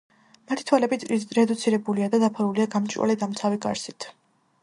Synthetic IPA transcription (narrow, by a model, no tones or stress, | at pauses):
mat̪ʰi̥t̪ʰwalɛbiɾɛd̪ut̪sʰiɾɛbuliad̪ad̪apʰaɾuliaɡamt͡ʃʼwʔa̰lɛd̪amt̪sʰaviɡa̰ɾsit̪ʰ